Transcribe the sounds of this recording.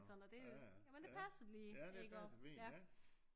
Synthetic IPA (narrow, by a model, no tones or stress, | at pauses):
sɒ̽nɐd̥e̝jæmənd̥e̝pʰæsɐd̥eliːeɡ̥ɒjæ